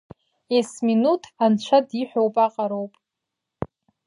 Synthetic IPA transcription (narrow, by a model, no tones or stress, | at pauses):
esminutʰant͡ʃʷʰadiħʷowpʼaqʼaɾowpʼ